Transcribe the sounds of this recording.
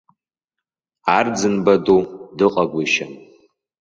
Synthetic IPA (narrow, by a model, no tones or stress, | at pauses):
ard͡zɨnbadodɨqʼaɡʷiʃan